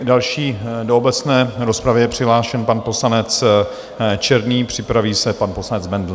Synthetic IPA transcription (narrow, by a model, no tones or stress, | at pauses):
dalʃiːdoobɛt͡snɛːɾo̞spɾavɪjɛpr̝̥ɪɦlaːʃɛnpanpo̞slanɛt͡s | t͡ʃɛɾvniːpr̝̥ɪpɾaviːsɛpanpo̞slanɛd͡zbɛndl